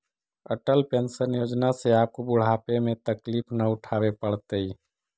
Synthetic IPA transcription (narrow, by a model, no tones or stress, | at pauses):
ə̰ʈəlpensənjod͡ʒnaseaːp̚kobʊɽ̤apemẽt̪əkliːpʰnəʊʈʰaːbepəɽ̤t̪əi